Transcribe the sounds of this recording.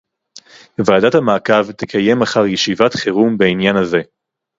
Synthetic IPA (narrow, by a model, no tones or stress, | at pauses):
vaːdathamaːkavtekʰaje̞maχaʁjeʃivatχeʁumbeinjanhaze̞